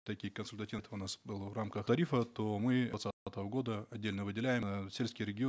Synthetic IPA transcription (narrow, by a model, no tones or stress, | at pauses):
t̪ɐkʲijkənsʊlʲt̪ɐtʲivt̪əʊnasbɨlˠvramkəxt̪ɐɾʲifət̪o̞mɨɐt̪sat̪əvəɡo̞d̪əɐdʲːelʲnəvɨdʲɪlʲæjɪmsʲelʲskʲɪjɾʲɪɡʲɪ